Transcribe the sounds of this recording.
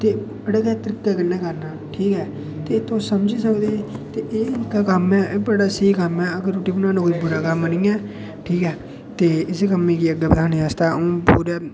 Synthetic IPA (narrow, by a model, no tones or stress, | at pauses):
t̪eː | əɽəkɛːt̪əɾɪkːaːkənːaːkəɾnaːʈʰiːkɛː | t̪et̪õːsəmd͡ʒiːsəkd̪eːt̪eːʔeːkaːkəmɛːʔbəɽaːsəikəmɛːəɡəɾːoːʈiːbənãːnũkoːiːbʊɾaːkəmənĩːɛː | ʈʰiːkɛː | t̪eːɪskəmːẽːkiəɡeːpəd̪ʰaːneaːst̪aːõːpṵːɾaː